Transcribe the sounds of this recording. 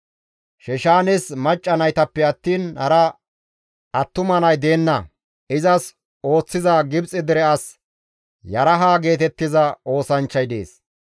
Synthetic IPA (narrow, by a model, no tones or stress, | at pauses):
ʃɛʃaːnɛsmɐt͡ʃʼːɐnɐjt̪ɐpːɛɐt̪ːiːnhɐɾɐ | ʔɐt̪ːʊmɐnɐjd̪eːnːɐ | ɪzɐs | o̞ːt͡sːɪzaɡɪbt͡sʼɪd̪ɛɾɛɐs | jɐɾɐɦaːɡe̞ːt̪̬ɛt̪ːɪzɐo̞ːsɐnt͡ʃːɐjd̪ḛːs